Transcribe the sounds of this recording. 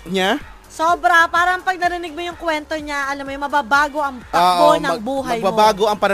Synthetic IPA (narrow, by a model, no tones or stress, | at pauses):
ɲa | soːbɾɐpaːɾɐɐŋpɐɡ̚nɐɾɪnɪɡ̚mojʊŋkwɛnt̪o̞ɲaʔɐlɐmːojʊmɐbabaːɡo̞ʔɐŋt̪ɐoːʔonɐŋbuːɦɐɐjbabaːɡoʔɐŋpɐɾɐ